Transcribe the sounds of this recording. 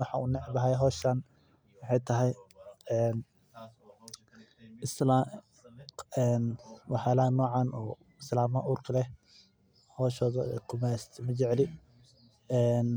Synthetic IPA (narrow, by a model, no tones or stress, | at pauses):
wɑħɑṵːnɛʕbɐɦɛjɦɔːʃaːn | wɑħɑjt̪ʰɐɦɛjɛːn | ɪsla | ɛːnwɑħaːlɐɐnɔːʕɑːnɔ̰ː | ɪslaːmɐʔuːrkʰɐlɛ | hɔːʃɔːðɐ̰kʰʊmɛst̪ʰmɐt͡ʃɛʕlɪ | ɛːn